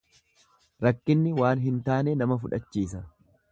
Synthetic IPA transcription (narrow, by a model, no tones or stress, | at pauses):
ɾɐkːɪnːɪwaːnɦɪnt̪aːnɛnɐmɐfʊᶑɐt͡ʃːiːsɐ